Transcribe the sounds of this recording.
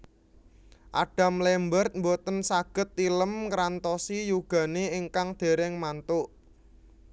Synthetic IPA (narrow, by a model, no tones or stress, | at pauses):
ʔa̰ɖ̥a̤mlɛmbərt̪̚mbot̪ənsaɡ̥ə̤t̪̚ːiləmkɾant̪ɔsijuɡ̥ä̤neɪŋkaŋd̪̥e̤ɾɛŋmant̪ʊʔ